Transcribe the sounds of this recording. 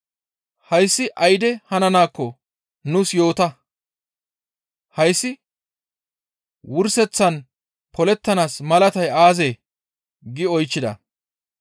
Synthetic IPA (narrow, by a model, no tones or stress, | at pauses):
hɐjsːɪʔɐjd̪ɛhɐnɐnaːkːɔ | nʊsjo̞ːt̪ɐ | hɐjsːɪ | wʊɾsɛt͡sːɐn | pɔlɛt̪ːɐnaːsmɐlɐt̪ɐjaːzeː | ɡɪɔjt͡ʃːɪd̪ɐ̰